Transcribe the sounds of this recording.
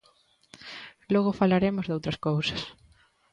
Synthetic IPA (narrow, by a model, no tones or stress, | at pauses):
lɔɣʊfalaɾemʊzðowt̪ɾɐskowsɐ̥s